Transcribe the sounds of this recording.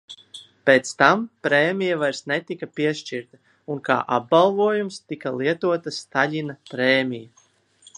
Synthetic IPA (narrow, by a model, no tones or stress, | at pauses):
peːt̪st̪ampɾeːmijavajɾsnet̪ikapiɛʃt͡ʃiɾt̪a | unka̰ːʔab̚ɡalˠvuɔjumst̪ikalˠiɛt̪uɔt̪ast̪aʎʲinapɾeːmija